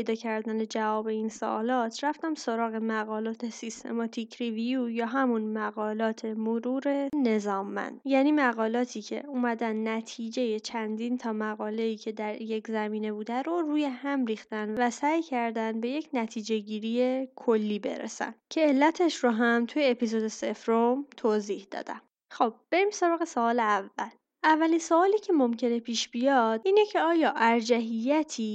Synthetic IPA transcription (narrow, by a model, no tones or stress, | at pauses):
ejd̪ɒːcʰæɾd̪æne̞d͡ʒævɒːbe̞inso̰ʔːlɒːt̪ʰɾæft̪æmso̞ɾɒːɣe̞mæɣɒːlɒːt̪ʰe̞sist̪ʰe̞̰mɒt̪ʰicʰɾivijujɒːɦæmunmæɣɒːlɒːt̪ʰe̞moɾuːɾe̞ne̞zɒːmːæ̰nd̪̥jæːniːmæɣɒːlɒːt̪ʰiːcʰe̞̰umæd̪ænːæt̪ʰiːd͡ʒe̞je̞t͡ʃʰænd̪int̪ʰɒːmæɣɒːle̞iːcʰe̞d̪æɾje̞czæmiːne̞buːd̪æɾoɾuːje̞hæmɾiːxt̪ænvæsæːjcʰæɾd̪ænd̪be̞je̞cʰnæt̪ʰiːd͡ʒe̞ɟiːɾije̞kʰolːiːbe̞̰ɾḛsæ̰ncʰe̞ːlːæt̪ʰeʃɾoɦæmt̪ʰuje̞epʰizod̪e̞se̞fɾomt̪ʰoːziːhd̪ɒ̰ːd̪̥æ̰m | χob̥̚b̥e̞ɾiːmsoɾɒːɣesoɒːleævːæl | ʔævːælinsoɒːliːcʰe̞mo̞mcʰe̞ne̞pʰiːʃb̥ijɒd̪̥iːnecʰe̞ɒːjɒːʔæɾd͡ʒæɦijːæt̪ʰiː